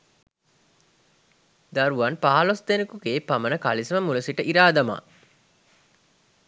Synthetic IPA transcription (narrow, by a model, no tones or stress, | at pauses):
d̪aɾuʋanpaːlosd̪enikukeːpamənəka̰lisəməmuləsiʈəʔiɾaːd̪ama̰